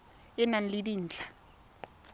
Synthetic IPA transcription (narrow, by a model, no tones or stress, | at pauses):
ɪnan̩lidiːn̩ːt͡ɬʼḁ